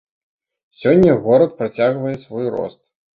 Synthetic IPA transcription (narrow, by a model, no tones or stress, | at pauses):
sʲɔnʲːɐɣɔɾɐt̪̚pɾɐt͡sʲaɣvɐjɛsvɔjrɔ̰st̪̚